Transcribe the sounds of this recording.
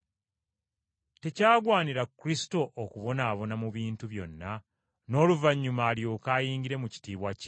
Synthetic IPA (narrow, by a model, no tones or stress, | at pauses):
te̞caːɡwaːniɾakɾisi̥to̞ʔːkuβo̞naːβo̞namuβiːntuβjo̞̰nːa | no̞ːluvaɲːumaːljo̞ːkaːjiːŋɡiɾe̞muci̥tiːβwac